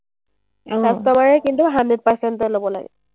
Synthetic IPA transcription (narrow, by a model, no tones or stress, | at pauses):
sastɔmaɹɛkintuɦandɹɛd̚paɹsɛntɔlobɔla̰ɡɛ̰